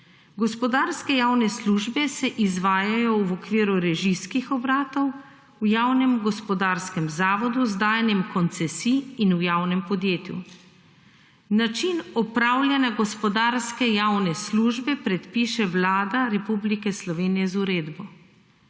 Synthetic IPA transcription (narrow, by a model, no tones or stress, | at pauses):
ɡɔspɔd̪aːɾskɛjawnɛsluːʒbɛsɛʔizʋaːjajɔwɔkʋiːɾuɾɛʒiskixɔbɾaːt̪ɔw | wjaːwnɛmɡɔspɔd̪aːɾskɛmzaːʋɔd̪uzd̪aːjɛnjɛmkɔnt̪sɛsiːnujaːwnɛmpɔd̪jeːt̪jṵ | nat͡ʃinɔpɾawlʲjanaɡɔspɔd̪aːɾskɛjawnɛsluːʒbɛpɾɛt̪piːʃɛʋlaːd̪aɾɛpublikɛslɔʋeːnijɛzuɾeːd̪bɔ